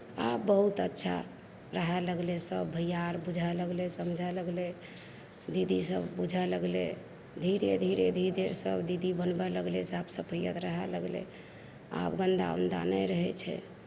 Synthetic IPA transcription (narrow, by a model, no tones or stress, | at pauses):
abbəɦut̪ətːʃʰa̰ | ɾəɦɛləɡlesəbbʱəjaɾbud͡ʒʱaləɡlesəmd͡ʒʱaləɡle | d̪id̪isəbbud͡ʒʱaləɡle | d̪ʱiɾed̪ʱiɾed̪ʱid̪eɾsəbd̪id̪ibənbɛləɡlesabsəpʰəjə̰d̪ɾəɦɛləɡlḛ | a̰bɡənd̪a̰wnd̪a̰nəɾəɦɛt͡ʃʰɛ̰